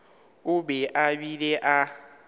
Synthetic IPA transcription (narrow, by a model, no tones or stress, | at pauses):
ʊbɛʔabileʔa